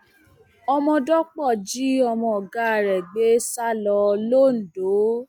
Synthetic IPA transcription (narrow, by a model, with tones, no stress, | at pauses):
ɔ˧mɔ̃˧dɔ˦k͡pɔ˦˨d͡ʒi˦ɔ˧mɔ̃˧ɔ˨ɡa˦˨ɾɛ˨ɡ͡be˦sa˦lɔ˧lo˦˨n̩˨do˨˦